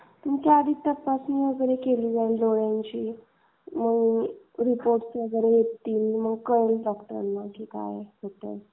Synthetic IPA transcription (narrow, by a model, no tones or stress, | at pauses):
t̪umt͡ɕaad̪iːt̪əpasmiːʋəɡəɾekeliːd͡zainloɭjãɲt͡ɕiː | məɡ | ɾipoɾʈsʋəɡəɾejett̪ːiːliməɡkəɾəlɖɔkʈ̪əɾə̰nːakiːka̰jɦot̪ə̰